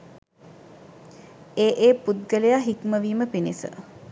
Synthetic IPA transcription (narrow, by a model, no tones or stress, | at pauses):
eːʔeːpud̪̚ɡəlejaːɦikməʋiːməpinisə̰